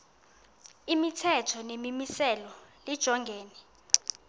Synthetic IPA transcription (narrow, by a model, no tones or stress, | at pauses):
imitʰɛtʰɔnemimisɛlɔlid̥ʒ̥ʱɔŋɡʱeːnɛ